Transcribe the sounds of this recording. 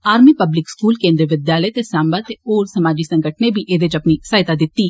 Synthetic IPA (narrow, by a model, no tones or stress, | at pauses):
aːɾmiːpəblɪkskuːlkẽːnd̪ɾiʋɪd̪jaːləet̪eːsaːmbaːt̪eoːɾsəmaːd͡ʒiːsə̃ŋɡəʈnebʱiːʔeːd̪et͡ʃəpnisaːɪt̪aːd̪ɪt̪ːiː